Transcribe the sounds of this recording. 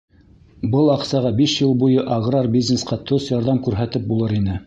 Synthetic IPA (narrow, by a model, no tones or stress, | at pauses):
bɤlˠɑqsɑʁɑbiʃjɤlˠbujɤʔɑɡrɑrbʲiznesqɑt̪osjɑɾðɑmkʉɾɦæt̪ɘp̚bulˠɤɾinɘ